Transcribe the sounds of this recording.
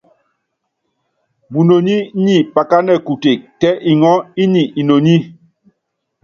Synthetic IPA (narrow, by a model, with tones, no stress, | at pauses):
bu˨no˨ɲi˦ɲi˦˨pa˨ka˦nɛ˨ku˨te˨k̚tɛ˦ʔi˨ŋɔ˦i˦ni˨i˨no˨ɲi˦